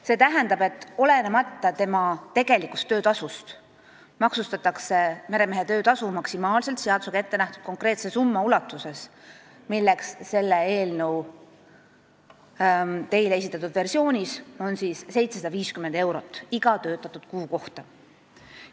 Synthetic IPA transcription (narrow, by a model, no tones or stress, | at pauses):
se̞ːt̪æɦend̪̥ɑbe̞t̪ːˑo̞le̞nemɑt̪ːˑɑt̪e̞mɑt̪e̞ɡe̞likːu̥st̪ːø̞ːt̪ɑsust̪ | mɑksust̪ɑt̪ːˑɑkse̞me̞ɾe̞me̞ɦe̞t̪ø̞ːt̪ɑsumɑksimɑːlse̞lt̪seɑd̪u̥seɡe̞t̪ːenæht̪ud̪̥̚ko̞ŋkre̞ːt̪sesumːɑulɑt̪ːˑuse̞s | milːe̞ksse̞lːee̞ːlnəw | t̪e̞jleesit̪ːˑɑt̪ːud̪̥ve̞rsio̞ːnʲiso̞nsiːsse̞jt̪se̞sɑd̪̥ɑviːskyme̞nd̪e̞wɾo̞t̪ːˑiɡ̥ɑt̪øːt̪ːˑɑt̪ːˑud̪̥kuːko̞ht̪ɑ